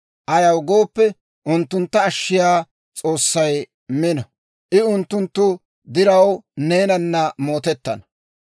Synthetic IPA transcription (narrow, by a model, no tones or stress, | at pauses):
ʔɐjɐwɡoːpːɛ | ʔʊnt̪ːʊnt̪ːɐːʃːɪjaː | t͡sʼo̞ːsːɐj | mɪnɐ | ʔɪʊnt̪ːʊnt̪ːʊ | d̪ɪɾɐwne̞ːnɐnːɐmo̞ːt̪ɛt̪ːɐ̰nɐ̥